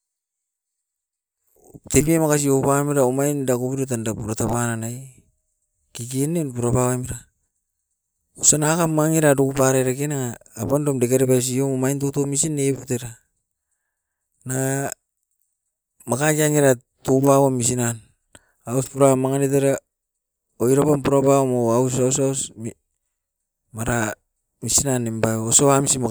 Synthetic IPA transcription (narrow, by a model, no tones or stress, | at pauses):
tepiemakas̬iopamiɾaomajndakoβiɾot̬andapuɾatapananaj | kiɡenenpuɾapawamiɾa | osanakamːaŋiɾadokupaɾeɾakenaŋaːpandomdekaɾepajs̬iomomajntotomisineputeɾa | na | makakaŋiɾa | tupawamis̬inan | auspuɾamaŋanet̬eɾa | oiɾapanpuɾapawamoausausaus | maɾa | misinanːembajosoamisima